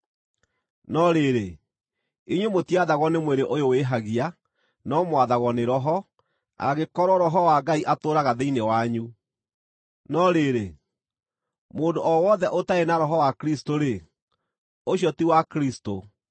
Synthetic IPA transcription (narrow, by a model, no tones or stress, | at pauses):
nɔɾeɾe | iɲwemotiaðaɣɔnemweɾeʔojoweɦaɣia | nɔmwaðaɣɔneɾɔɦɔ | a̰ɣekɔɾɔɾɔɦɔwaɡaiʔatoːɾaɣaðeinewaɲu | nɔɾeɾe | moːndoʔɔwɔðɛʔotaenaɾɔɦɔwakɾistoɾe | oɕjɔtiwakɾisto